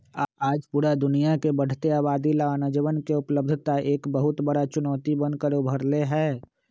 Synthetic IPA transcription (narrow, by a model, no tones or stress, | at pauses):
aːd͡ʒpuːɾad̪ʊnijakebəɽ̤t̪eaːbaːd̪ilaːnəd͡ʒəʋənkeʊpləb̚d̪ʱt̪aʔeːkbəɦʊt̪bəɽat͡ʃʊnɔːt̪ibɐ̃nd̪kəɾobʱəɾleɦɛː